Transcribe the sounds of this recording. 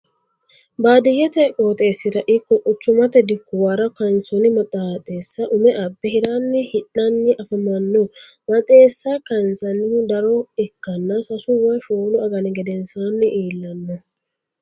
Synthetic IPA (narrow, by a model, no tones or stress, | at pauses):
baːd̪ɪjɛt̪ɛkʼoːt̪e̞ːsːɪɾɐʔɪkːɔʔʼʊt͡ʃːʊmɐt̪ɛd̪ɪkːʊwaɾɐkɐnsɔnɪmɐt̪ʼːat̪ʼe̞ːsːɐʔʊmɛʔɐbːɛhɪɾaːnːɪhɪᶑɐnːɪʔɐfɐmɐnːɔ | mɐt̪ʼe̞ːsːɐkɐnsɐnɪd̪ɐɾɔɛkːɐnːɐsɐsʊwɐjfoːlʊɐɡɐnɪɡɛd̪ɛnsaːnːɪʔiːlːɐnːɔ